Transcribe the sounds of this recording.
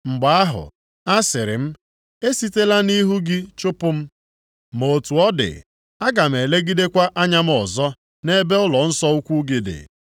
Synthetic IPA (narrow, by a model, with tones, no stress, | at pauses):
ŋ͡m̩˨ɡ͡ba˨a˦ɦʊ̰˨ | a˦sɪ˨ɾɪ̰˨m̩˦ | e˦si˦te˦la˦ni˦ɦu˦ɡi˦t͡ʃʊ˦pʊ˦m̩˦ | mo˨tu˨ɔ˦dɪ̰˨ | a˦ɡa˨m̩˨e˨le˦ɡi˦de˦kʷa˦ʔa˦ɲa˦m̩˦ɔ˨zɔ˦ | ne˦be˦ʊ˦lɔ˨n̩˦sɔ˦u˦kʷu˦ɡi˨dɪ̰˨